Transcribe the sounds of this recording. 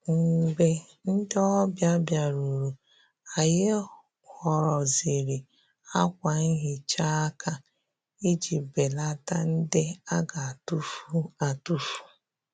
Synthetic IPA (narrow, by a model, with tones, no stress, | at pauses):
ŋ̩˨ɡ͡be˨ | n̩˦dɔ˦bja˦bja˨ɾu˨ɾu˨ | a˨jɪ˦ | kɔ˨ɾɔ˨zi˨ɾi˨ | a˦kʷa˨n̩˦ɦɪ˨t͡ʃa˦a˦kʰa˦ | i˦d͡ʒi˨be˨la˦ta˦n̩˦dɪ˦a˦ɡa˨a˨tu˦fu˦a˨tu˦fu̥˨